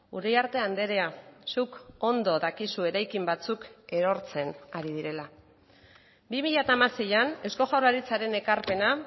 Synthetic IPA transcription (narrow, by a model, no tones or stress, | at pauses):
ṵɾejaɾt̪e̞and̪e̞ɾe̞asuko̞nd̪o̞ðakisue̞ɾajkimbat͡suke̞ɾo̞ɾt͡se̞naɾið̞iɾe̞la | bimiʎat̪amaseʎane̞wsko̞ʝawlaɾit͡saɾe̞ne̞kaɾpe̞na